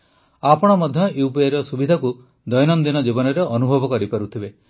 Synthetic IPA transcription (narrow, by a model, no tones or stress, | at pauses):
apɔɽ̃ɔmɔd̪ʱjɔjupeɾɔsubid̪ʱaku | d̪ɔjnɔnd̪inɔd͡ʒibɔnɔɾeʔɔnubʱɔbɔkɔɾipaɾut̪ʰibe